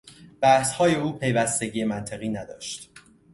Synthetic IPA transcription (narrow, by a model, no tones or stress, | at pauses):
b̥æhshɒːje̞uːpʰe̞jvæst̪e̞ɟiːe̞mænt̪ʰeɣiːnæd̪ɒːʃt̪